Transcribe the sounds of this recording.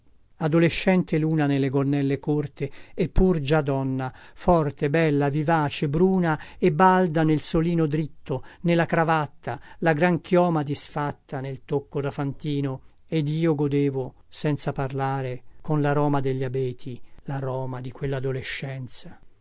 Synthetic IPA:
ad̪oleʃːɛnt̪eluːnanelːeɡolnːɛlːekort̪eːpːurd͡ʒad̪ɔnːafɔrt̪ebɛlːavivaːt͡ʃebɾuːnaebːald̪anelsoliːnod̪ɾit̪ːonelːakɾavat̪ːalaɡɾaŋkʰjɔːmad̪isfat̪ːanelt̪okːod̪afant̪iːno | ed̪iːoɡod̪eːvo | sɛnt̪saparlaːɾekonlaɾɔːmad̪eʎːabɛːt̪ʰilaɾɔːmad̪ikwelːad̪oleʃːɛnt̪sḁ

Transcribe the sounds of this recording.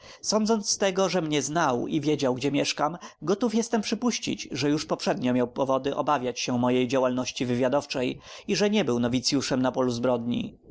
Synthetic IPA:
sɔnd̪zɔnt̪st̪ɛɡɔʐɛmɲɛznawḭvʲjed͡ʑawɡd͡ʑɛmjɛʂkamɡɔt̪ufjɛst̪ɛmpʂɘpuɕt͡ɕḭt͡ɕʐɛjuʂpɔpʂɛd̪ɲɔmʲjawpɔvɔd̪ɘʔɔ̰bavʲjat͡ɕɕɛmɔjejd͡ʑawalnɔɕt͡ɕivɘvʲjad̪ɔft͡ʂɛjiʐɛɲɛbɘwnɔvʲit̪sʲjuʂɛmnapɔluzbɾɔd̪ɲḭ

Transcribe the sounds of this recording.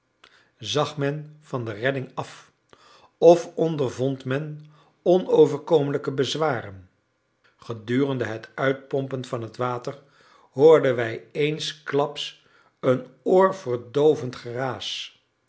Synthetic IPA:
zɑχmɛnvɑndərɛdɪŋɑf | ɔfɔndəɹvɔntmɛn | ɔnowvəɹkowmələkəbəzʋaːrən | χədyːrəndəɦətœɥt̚pɔmpənvɑnɦətʋaːtər | ɦoːɹdənʋɛjejnsklɑps | ənʊːɹvərdowvəntχəraːs

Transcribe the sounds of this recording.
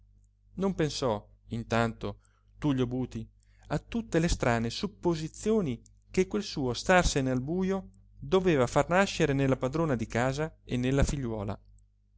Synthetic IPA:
nompensɔ | int̪ant̪o | t̪uʎːobuːt̪i | at̪ːut̪ːelest̪ɾaːnesupːozit̪sːjoːni | kekːwelsuːost̪arsenealbuːjo | d̪oveːvafarnaʃːeɾenelːapad̪ɾoːnad̪ikaːzaenːelːafiʎːwɔːla̰

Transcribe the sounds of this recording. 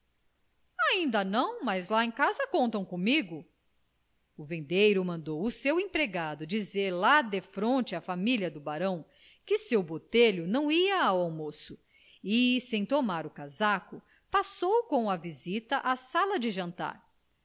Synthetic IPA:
aĩnd̪ɐnɐ̃w̃mazlaẽj̃kazɐkõnt̪ɐ̃w̃kõmiɡʊ | ʊvẽnd̪ejɾʊmɐ̃nd̪owʊsewẽpɾeɡad̪ʊd͡ʒizeɾlad̪efɾõnt͡ʃɪafamilʲjɐd̪ʊbaɾɐ̃w̃ | kɪsewbot̪eʎʊnɐ̃w̃iɐːwawmosʊ | ɪsẽj̃t̪omaɾʊkazakʊ | pasowkõw̃ɐvizit̪ɐʔasalɐd͡ʒɪʒɐ̃nt̪a̰ɾ

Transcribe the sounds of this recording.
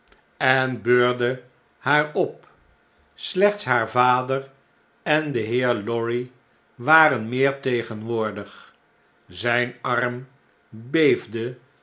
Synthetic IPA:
ɛnbøːɹdə | haːɹɔp̚ | slɛχtsɦaːɹvaːdəɹ | ɛndəɦɪːɹlɔɹi | ʋaːɾənmɪːɹtejχənʋʊːɹdəχ | zɛjnɑrm | bejvdə

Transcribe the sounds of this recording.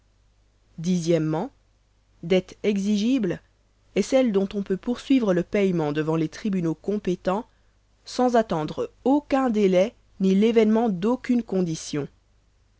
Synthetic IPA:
d̪izjɛmːɑ̃ | d̪ɛt̪ɛɡziʒibl | ɛsɛld̪ɔ̃t̪ɔ̃pøpuʁsɥivʁələpɛjmɑ̃d̪əvɑ̃let̪χibynokɔ̃pet̪ɑ̃ | sɑ̃zat̪ɑ̃d̪ʁokʲɛ̃d̪elɛ | nilevɛnmɑ̃d̪okʲynkɔ̃d̪isjɔ̃

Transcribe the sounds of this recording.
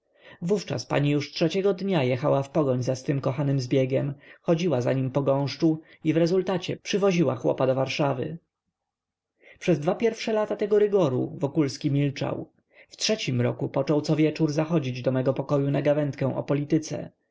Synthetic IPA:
vuft͡ʂa̰spa̰ɲijuʂtʂɛt͡ɕɛɡɔd̪ɲajɛxawafpɔɡɔɲzast̪ɘmkɔxanɘmzbʲjɛɡʲɛmxɔd͡ʑiwaza̰ɲimpɔɡɔ̃w̃ʂt͡ʂu | ivɾɛzult̪at͡ɕɛpʂɘvɔʑiwa̰xwɔ̰pad̪ɔvaɾʂavɘ̰ | pʂɛzd̪vapʲjɛɾfʂɛlat̪at̪ɛɡɔɾɘɡɔɾṵvɔkulskʲimʲilt͡ʂa̰w | ftʂɛt͡ɕimɾɔ̰kupɔt͡ʂɔwt̪sɔvʲjɛt͡ʂuɾzaxɔd͡ʑid͡ʑd̪ɔmɛɡɔpɔkɔjunaɡavɛnt̪kɛ̃w̃ʔɔ̰pɔlʲit̪ɘt̪sɛ̰

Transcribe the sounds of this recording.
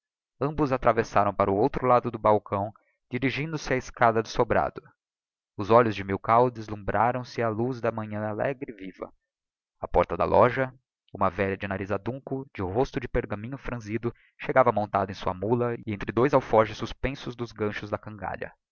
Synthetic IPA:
ɐ̃mbʊzat̪ɾavesaɾɐ̃w̃paɾʊowt̪ɾʊlad̪ʊd̪ʊbawkɐ̃w̃ | d͡ʒiɾiʒĩnd̪ʊsɪaɪskad̪ɐd̪ʊsobɾa̰d̪ʊ | ʊzɔʎʊzd͡ʒɪmiwkawd̪ɪzlũbɾaɾɐ̃w̃sɪaluzd̪ɐmɐ̃ɲɐ̃alɛ̰ɡɾɪvivɐ̰ | apɔɾt̪ɐd̪ɐ̰lʔɔʒɐ | ũmɐvɛʎɐd͡ʒɪnaɾizad̪ũŋkʊd͡ʒɪɦost̪ʊd͡ʒɪpeɾɡɐmĩɲʊfɾɐ̃zid̪ʊ | ʃeɡavɐmõnt̪a̰d̪ʊẽj̃suɐmulɐɪẽnt̪ɾɪd̪ojzawfɔʒʊsuspẽsʊzd̪ʊzɡɐ̃ʃʊzd̪ɐkɐ̃ŋɡa̰ʎɐ̰

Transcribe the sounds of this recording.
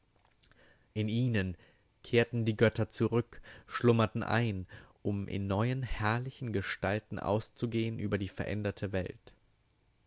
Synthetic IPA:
ʔɪniːnən | kʰeːɐtn̩diːɡœtʰɐt͡suʁʏkʃlʊmɐtn̩ʔa̰ɪnʔʊmʔɪ̰nːɔʏənhɛɐlɪçn̩ɡəʃtaltn̩ʔa̰ʊst͡suɡeːənʔy̰ːbɐdiːfɛɐʔɛ̰ndɐtʰəvɛ̰lt

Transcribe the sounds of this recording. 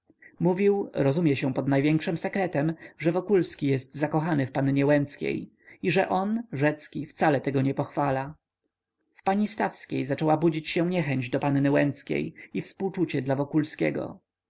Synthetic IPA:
muvʲiwɾɔzumʲjɛɕɛ̃pɔd̪najvʲjɛŋkʂɘmsɛkɾɛt̪ɛmʐɛvɔkulskʲijɛst̪zakɔxanɘfpanɲɛwɛnt̪skʲḛj | iʐɛʔɔnʐɛt̪skʲift̪salɛt̪ɛɡɔɲɛpɔxfala | fpaɲist̪afskʲejzat͡ʂɛwabud͡ʑit͡ɕɕɛw̃ɲɛxɛɲd͡ʑd̪ɔpanːɘwɛnt̪skʲḛjifspuwt͡ʂut͡ɕɛd̪lavɔkulskʲɛ̰ɡɔ̰

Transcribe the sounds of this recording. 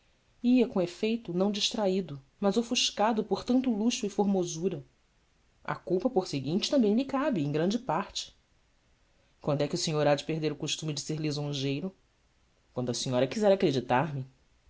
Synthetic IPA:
iɐkõefejt̪ʊnɐ̃w̃d͡ʒiʃt̪ɾaid̪ʊ | mɐzofuʃkad̪ʊpoɾt̪ɐ̃nt̪ʊluʃʊifoɾmozuɾɐ | ɐ̰kuwpɐpoɾsɪɡĩnt͡ʃɪ̥t̪ɐ̃mbẽj̃mikabɪẽj̃ɡɾɐ̃nd͡ʒɪpaɾt͡ʃɪ̥ | kwɐ̃nd̪ʊɛkɪʊsiɲoɾad͡ʒɪpeɦd̪eɾʊkuʃt̪umɪd͡ʒɪseɾlizõʒejɾʊ | kwɐ̃nd̪ʊɐsĩɲɔɾɐkizɛɾakɾed͡ʒit̪aɾmɪ

